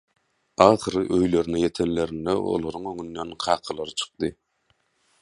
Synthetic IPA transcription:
ɑːχɨɾɨʔøjleɾinɪjet̪ʰenleɾɪnd̪ɛo̰lˠoɾɯŋøŋynːɛnqʰɑːqʰɑlˠɑɾɯt͡ʃʰɨ̥q̚d̪ɨ

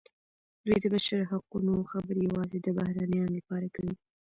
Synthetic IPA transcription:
ɾid̪əbaʃaɾɦaqunoxabəɾjawɑzed̪əbahɾanjɑnlapɑɾakəwi

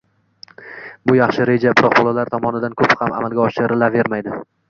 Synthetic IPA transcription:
bʊjɑχʃɪɾe̞d͡ʒabɪɾɒqbɒlˠalaɾt̪ʰɒmɒnɪd̪ankʰɵphama̰malˠɡʲaɒʃɪɾɪlave̞ɾmajd̪ɪ

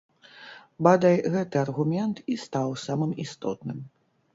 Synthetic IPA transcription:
bad̪ajɣɛt̪ɨɐrɣumʲɛnt̪ist̪awsamɨmist̪ɔt̪nɨm

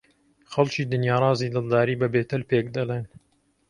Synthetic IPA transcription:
xɐlt͡ʃiːd̪ɨnjaːɾˤɑːziːd̪ɨlˠd̪aːɾiːbɐbeːt̪ɐlpeːkd̪ɐleːn

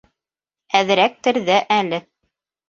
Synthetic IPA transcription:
æðɘ̆ɾæk̚t̪ɘ̆ɾðæʔælɘ

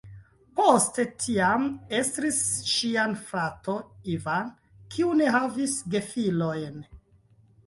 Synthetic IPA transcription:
poste̞tʰiame̞stɾisʃianfɾatoivan | kʰiune̞ɦavisɡe̞filojn

